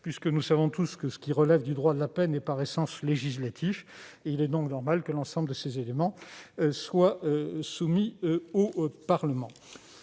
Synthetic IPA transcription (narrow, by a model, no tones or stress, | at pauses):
pɥiskənusavɔ̃t̪uskəsə̥kʲiʁəlɛvd̪yd̪ʁwad̪əlapɛnɛpaʁɛsɑ̃sleʒislat̪ʰifilɛd̪ɔ̃knɔʁmalkəlɑ̃sɑ̃bləd̪əsezelemɑ̃swaøsumiopaʁləmɑ̃